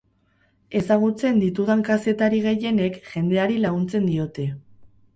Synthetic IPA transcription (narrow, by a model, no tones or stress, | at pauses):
e̞saɣ̞ut͡se̞nd̪it̪uðaŋkase̞t̪aɾiɣ̞e̞je̞ne̞kʝe̞nd̪e̞aɾilaɣunt͡se̞nd̪io̞t̪e̞